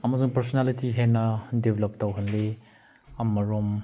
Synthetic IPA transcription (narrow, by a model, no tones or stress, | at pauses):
ɐmɐzuŋpɐɾsonalitiɦenɐdebelɐp̚tɐwɦɐnle | ɐmɐɾom